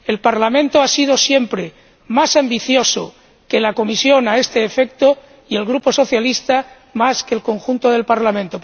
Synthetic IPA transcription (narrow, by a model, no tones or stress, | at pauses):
e̞lpaɾlamẽnt̪oasið̞o̞sje̞mpɾe | masambiθjo̞so̰ | ke̞lako̞misjo̞nae̞st̪eːfek̚t̪o | ie̞lɣɾupo̞so̞θjalist̪a | maskelko̞ŋxunt̪oðe̞lpaɾlamẽnt̪o